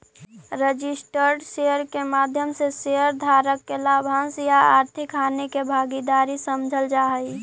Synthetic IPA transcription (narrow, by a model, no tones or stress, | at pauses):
ɾəd͡ʒisʈəɾɖsejəɾkemad̪ʱjəmseseəɾd̪ʱaɾəkːelabʱãsjaaɾt̪ʰɪkanekebʱaːɡid̪aɾisəmd͡ʒʱəld͡ʒaɦəi